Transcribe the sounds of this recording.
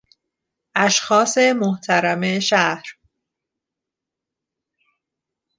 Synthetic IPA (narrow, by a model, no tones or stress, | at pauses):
ʔæʃxɒːse̞moht̪ʰæɾæmeʃæhɾ